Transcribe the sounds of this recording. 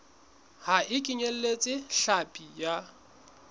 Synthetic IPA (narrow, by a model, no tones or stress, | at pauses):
haɪkʼɪɲel̩let͡sʼɪɬapʼija